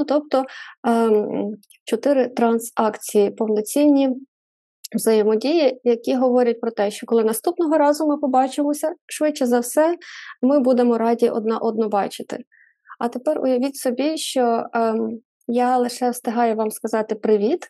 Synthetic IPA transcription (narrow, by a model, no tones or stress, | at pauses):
nut̪ɔp̚t̪ɔ | t͡ʃɔt̪ɪɾɪt̪ɾɐnsɑkt͡sʲijipɔwnɔt͡sʲinʲːi | wzɐjɪmɔdʲijijɐkʲiɦɔʋɔɾʲɐt̚ʲpɾɔt̪ɛʃt͡ʃɔkɔlˠɪnɐst̪upnɔɦɔɾɑzʊmɪpɔbɑt͡ʃɪmɔsʲɐʃʋɪt͡ʃt͡ʃːɛzɐwsɛmɪbud̪emɔɾɑdʲiʔɔ̰d̪nɑʔɔd̪̚nɔbɑt͡ʃɪt̪ɪ̰ | ɐt̪epɛrʊ̰jɐʋʲitʲsɔbʲiʃt͡ʃɔ | jalˠɪʃɛwst̪ɪɦɑjɛʋɑmskɐzɑt̪ɪpɾɪʋʲit̪